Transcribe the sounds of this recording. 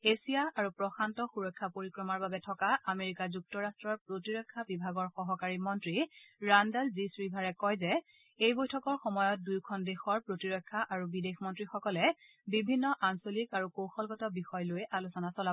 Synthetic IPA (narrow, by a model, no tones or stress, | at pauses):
esijaaɹupɹɔxantɔxuɹɔkʰːapoɹikɹɔmaɹbabɛtʰɔkaameɹikazuk̚tɔɹastɹɔɹpɹotiɹɔkʰːabibʱaɡɔɹxɔɦɔkaɹimɔntɹiɹandalzisɹibʱaɹɛkɔjzɛ | ejbojtʰɔkɔɹxɔmɔjɔt̚dujkʰɔndexɔɹpɹotiɹɔkʰːaʔaɹubidexmɔntɹixɔkɔlɛ | bibʱinːɔʔansolikaɹukowxɔlɡɔtɔbixɔjlojʔalusɔnasɔla